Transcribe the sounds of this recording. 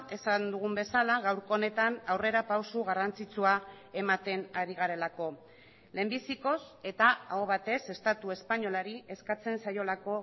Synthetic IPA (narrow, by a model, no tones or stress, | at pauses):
e̞sand̪uɣ̞umbe̞salaɣ̞awɾko̞ːne̞t̪anawre̞ɾapawsuɣ̞arant͡sit͡sua | e̞mat̪e̞naɾiɣ̞aɾe̞lako̞ | le̞mbisiko̞se̞t̪aaoβat̪e̞se̞st̪at̪ue̞spaɲo̞laɾie̞skat͡se̞nsajo̞lako̞